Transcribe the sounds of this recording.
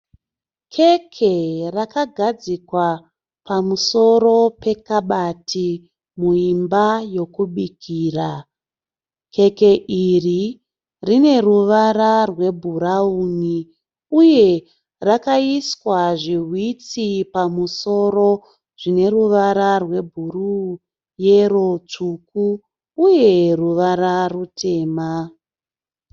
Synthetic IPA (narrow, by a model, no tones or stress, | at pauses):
kʰe̞kʰe̞rakaɡʱad͡zikwa | pamuso̞ɾo̞pe̞kaɓatʰi | muimbajo̞kuɓikʰiːra | kʰe̞ke̞ʔiri | rine̞ruʋaɾarwe̞bʱuɾauːni | uje̞ | rakaiswaʐiɦwit͡sipamuso̞ɾo̞ | ʐ̥ine̞ɾuʋaɾarwe̞bʱuru | je̞rot͡ʂukuː | je̞ruʋaɾarutʰe̞ːma